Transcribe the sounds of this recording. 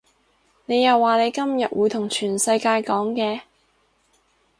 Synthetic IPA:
ne˨˧jɐ˨wːaː˨ne˨˧jkɐ˥mjɐ̰˨t̚wuː˨˧jt̪ʰʊ˨˩ŋt͡ʃʰyː˨˩nsɐ˧jkaː˧jkɔː˨˥ŋkɛː˧

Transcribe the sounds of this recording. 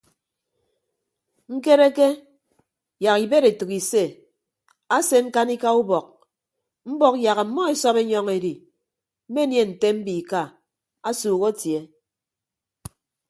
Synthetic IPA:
ŋ̩˦ke˦ɾe˦ke˦ | ja˨ɣi˨be˦ɾe˨tu˨ki˨se˦˨ | a˦se˦ŋ̩˦ka˦ni˦ka˦u˦bɔ˨k̚ | m̩˦bɔ˦kja˨ɣa˨˦mɔ˦e˨sɔ˦pe˦ɲɔ˦ŋe˨ɾi˨ | m̩˦me˦nje˦˨n̩˨te˦m̩˦bi˨ka˦˨ | a˦suː˨ɣo˦tje˨˦

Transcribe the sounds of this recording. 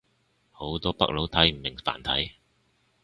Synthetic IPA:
ho˨˥wt̪ɔː˥pɐ̰˥k̚lo˨˥wt̪ʰɐ˨˥jm̩˨˩mɪ˨˩ŋfa̰ː˨˩nt̪ʰɐ˨˥j

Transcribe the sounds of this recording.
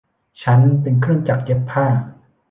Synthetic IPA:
t͡ɕʰa˧˥npi˨ŋkʰɾɯ˥ŋt͡ɕa˨k̚t͡ɕe˧˥pʰːaː˥˩

